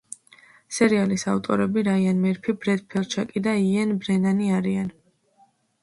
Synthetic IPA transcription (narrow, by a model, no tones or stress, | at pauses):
sɛɾialisavt̪ʼɔɾɛbiɾaianmɛɾpʰibɾɛd̪̚pʰɛlˠt͡ʃʰakʼid̪aiɛnbɾɛnaniaɾian